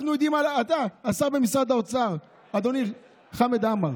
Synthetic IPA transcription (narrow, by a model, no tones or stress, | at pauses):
nuojd̪imalaat̪aːsaʁbemisʁad̪aot͡saʁ | ad̪oni | χamed̪amaʁ